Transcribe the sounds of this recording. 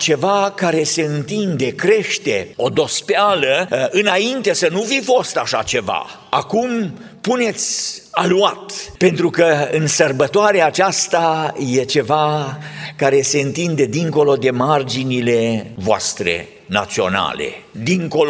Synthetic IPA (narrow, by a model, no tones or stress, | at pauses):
t͡ʃe̞vakaɾe̞se̞ɨnt̪ind̪e̞kɾe̞ʃt̪e̞o̞d̪o̞spealəɨnaint̪e̞sənufifo̞st̪aʃat͡ʃe̞va̰ | akum | pune̞t̪sʲaluat̪pe̞nt̪ɾukəɨnsərbət̪oaɾeaːt͡ʃast̪aje̞t͡ʃe̞va | kaɾe̞se̞ɨnt̪ind̪e̞d̪iŋko̞lo̞d̪e̞mard͡ʒinile̞voa̰st̪ɾe̞̰ | na̰t̪sio̞na̰le̞̰d̪iŋko̞l